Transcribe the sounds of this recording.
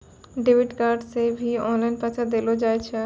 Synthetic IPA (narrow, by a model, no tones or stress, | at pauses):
ɖebiʈɡaɾɖsebʱiɔnlajnpat͡ɕʰad̪elod͡ʑajt͡ɕʰe